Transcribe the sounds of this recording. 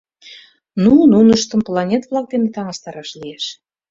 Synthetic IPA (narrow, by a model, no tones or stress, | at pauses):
nununəʃt̪ə̆mplɑnʲet̪vlˠɑk̚d̪enet̪ɑŋɑst̪ɑɾɑʃlieʃ